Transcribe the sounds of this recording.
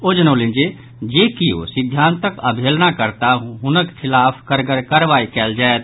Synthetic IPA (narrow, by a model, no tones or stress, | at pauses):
od͡ʒənəlind͡ʒe | d͡ʒekio̰sid̪ʱjant̪əkəbʱelnakəɾt̪aɦunəkkʰɪlaːpʰkəɾɡəɾkəɾʋaikɛld͡ʒaet̪̚